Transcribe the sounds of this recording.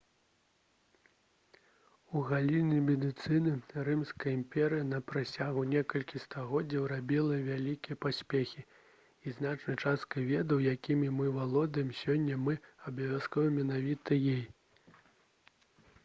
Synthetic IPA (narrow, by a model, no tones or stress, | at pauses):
uɣalʲinʲimʲɛd̪ɨt̪sɨnɨrɨmskɐjɐimpʲɛɾɨjɐnɐpɾasʲaɣunʲɛkɐlʲkʲist̪aɣɔdd͡zʲːɐwɾabʲilˠɐvʲalʲikʲijɐpasʲpʲexʲi | iznat͡ʂnɐjt͡ʂast̪̚kɐvʲɛd̪ɐwjakʲimʲimɨvalˠɔd̪ɐjɛmsʲɔnʲːɐmɨɐbɐvʲaskɔvɐmʲɛnavʲit̪ɐjɛj